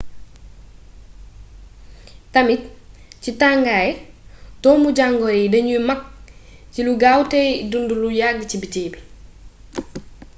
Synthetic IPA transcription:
tɐmit̚citaŋɡajtɔːmuɟaŋɡɔɾidɐɲujmɐk̚ciluɡawtɛdundulujaɡəcibitiːbi

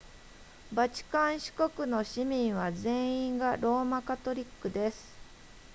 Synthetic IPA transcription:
bat͡ɕi̥kãɰ̃ɕi̥ko̞kɯ̟no̞ɕimʲĩɰ̃βad͡zẽ̞ɰ̃ĩŋɡaɾo̞ːmakat̪o̞ɾʲikːɯ̟d̪e̞sɨ̥

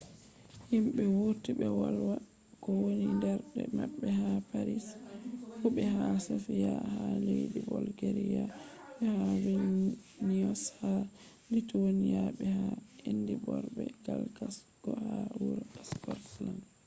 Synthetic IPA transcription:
himɓɛwuɾtibɛwalwa | kɔwonindɛɾɗɛmaɓːɛɦapaɾishuɓɛɦasofijahalejdibɔlɡeɾijaɓɛhawi | niɔsha | litowonijaɓɛhaendibɔɾbɛɡ̥alkas | ɡ̥ɔhawuɾskɔtland

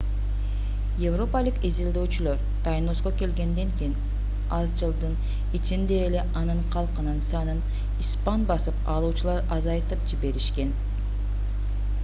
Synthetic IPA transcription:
jevro̞palˠɯkizilˠd̪øːt͡ʃylˠo̞ɾ | t̪ɑjno̞sko̞ke̞lɡe̞nd̪e̞ŋkijin | ɑzd͡ʒɯlˠd̪ɯn | it͡ʃind̪e̞ːle̞ʔɑnɯɴqʰɑlˠqɯnɯnsɑnɯn | ispanbɑsɯpɑlˠuːt͡ʃulˠɑɾɑzɑjt̪ɯp̚d͡ʒibe̞ɾiʃke̞n

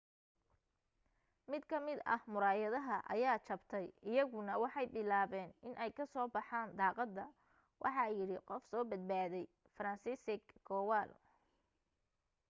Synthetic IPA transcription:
mɪd̪kʰɐmɪd̪ɐ̰hmʊɾaːjɐðɐɦɐʔɐ̰jaːt͡ʃɐbt̪ʰɛjɪjɐɣʊnɐwɑħɑjbɪlaːβɛːnɪnʔɛjkʰɐsɔːbɑħɑːnd̪ɑːqɑd̪ːɐ | wʔɑ̰ħɑjɪɽɪqɔfsɔːbɐd̪̚baːðɛj | fɾɐnsɪsɪɡɔːwaːl

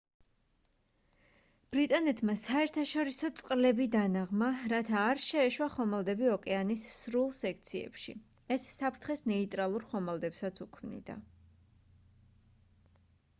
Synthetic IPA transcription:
b̥ɾit̪ʼanɛt̪ʰmasaɛɾt̪ʰaʃɔɾisɔt̪sʼqʼlɛbid̪anaʁmaɾat̪ʰaːɾʃɛːʃwaχɔmalˠd̪ɛbiɔkʼɛanisːɾulˠsɛk̚ʰt̪sʰiɛ̰pʃḭ | ɛsːapʰɾt̪ʰχɛsnɛit̪ʼɾalˠuɾχɔmalˠd̪ɛpsat̪sʰukʰmnḭd̪a̰

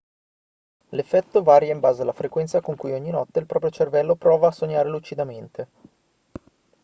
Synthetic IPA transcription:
lefːɛt̪ːovaːɾjaimbaːzealafɾekwɛnt̪sakoŋkujoɲːinɔt̪ːeilpɾɔːp̬ɾjot͡ʃervɛlːopɾɔːvaːsːoɲːaːɾelut͡ʃid̪ament̪e

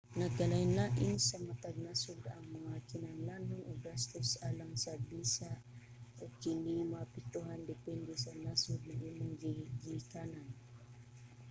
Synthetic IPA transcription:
naɡalainlaʔɪnsamat̪aɡ̚nasʊd̪aŋmaŋakinaŋlanʊnoɡast̪osalaŋsabisa | ʔoɡ̚kinimaapit̪uɦand̪ɛpɛnd̪ɛsanasʊd̪̚naʔimʊŋɡiɡikanan

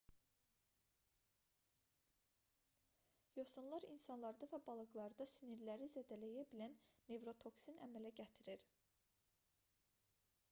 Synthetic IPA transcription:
josɯnlˠɑɾinsɑnlˠɑɾd̪ɑvæbɑlˠɯɡlˠɑɾɯd̪ɑsiniɾlæɾizæd̪ælæjæbilænːe̞vɾo̞t̪ʰo̞ksinʔæmælæɟæt̪ʰiɾiɾ

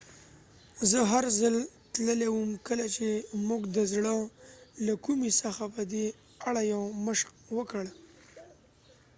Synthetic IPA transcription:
zəɦaɾzəl | t̪ləlewəmkəlat͡ʃemuɡd̪əzɽəlakumisəxapəd̪e | aɽajawməʃk | wəkəɽ

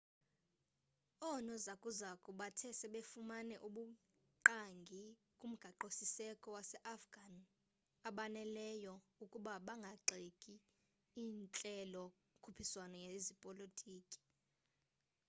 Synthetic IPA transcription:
ɔnɔzakʼuzakʼuɓatʰɛsɛɓefumanɛʔuɓu | ǃaŋɡʱi | kʼum̩ɡ̥ʱaǃosisɛkʼɔwasɛʔafɡ̥ʱan | aɓanɛlɛjɔukʼuɓaɓaŋɡʱaǃekʼi | iːnt͡ɬʼɛlɔ | kʰupʰiswanɔjezipʼolotʼiːkʼi̥

